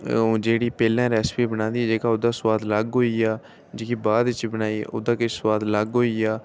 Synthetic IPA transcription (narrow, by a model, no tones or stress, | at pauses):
d͡ʒeːɽiːpɛːlãːɾɛːspiːbənaːnd̪iːɛːd͡ʒeːkaːʊd̪aːswaːd̪ləɡɦoːiːaː | d͡ʒeːkiːbaːd̪ɪt͡ʃbənaːiːʊ̰d̪ãːkɪt͡ʃʰswaːd̪ləɡɦoːiːaː